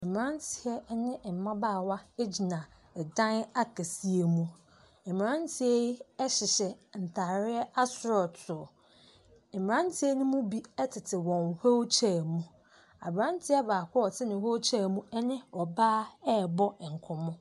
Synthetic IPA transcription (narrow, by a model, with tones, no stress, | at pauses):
m̩˨m˨ɾã˦ntʰɪ˨ɛ˦nɪ̃˦˨m̩˨mã˦baː˦˨wa˦e˦d͡ʑi˨nã˨ | dã˦na˦kʰe˨si˦e˨mũ˦ | m̩˨m˨ɾã˦ntʰɪ˨ɛ˦ɛ˦ɕɪ˨ɕɛ˨n̩˨tʰa˨ɾɪ˦ɛ˦a˦sʊ˦ɾɔ˨tʰʊ˨ | m̩˨m˨ã˦n˦tʰɪ˦ɛ˦nʊ̃˦mũ˦bi˦ɛ˦tʰɪ˨tʰɪ˨wɔ̃˨nho˦t͡ɕʰɛ˨mũ˦ | a̰˨bã˦n˦tʰɪ˦ɛ˦baː˨kʷʰɔ˦ɔ˨tʰɪ˦nɪ̃˨ho˦wt͡ɕʰɛ˦˨mũ˦ɛ˦nɪ̃˦ɔ˨baː˦ɛ˦˨bɔ˦˨ŋ̩˨kʰʊ̃˨mʊ̃˦